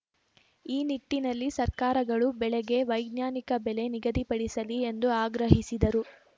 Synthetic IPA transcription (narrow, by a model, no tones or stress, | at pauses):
iːniʈːinɐlːisɐɾkaːɾɐɡɐɭubɛɭeɡe̞ʋɐjɡnjaːnikɐbɛle̞niɡɐd̪ipɐɽisɐlie̞nd̪uaːɡɾɐɦisid̪ɐɾu